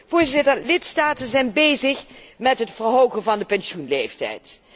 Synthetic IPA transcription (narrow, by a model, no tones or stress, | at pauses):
v̥ʊːɹzɪtəlɪtstaːtənzɛjnbejzəχmɛtɦətfərɦowɣənvɑndəpɛnsjunlejftɛ̰jt